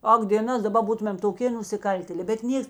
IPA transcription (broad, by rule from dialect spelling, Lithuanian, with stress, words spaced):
ˈɐk dʲeːˈnɐs dɐˈbɐ ˈbuːtʊmʲeːm toːˈkʲeː nʊsʲɪˈkɐlʲtʲeːlʲɛ bʲɛt ˈnʲiɛks